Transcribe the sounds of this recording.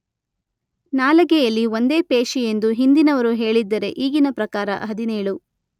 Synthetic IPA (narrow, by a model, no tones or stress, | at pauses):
naːlɐɡɛjɐlːiʋo̞nd̪e̞ːpeːʃie̞nd̪uɦind̪inɐʋɐɾuɦe̞ːɭid̪ːɐɾe̞ʔiːɡinɐpɾɐkaːɾɐ̰ʔɐ̰ɦɐd̪ineːɭu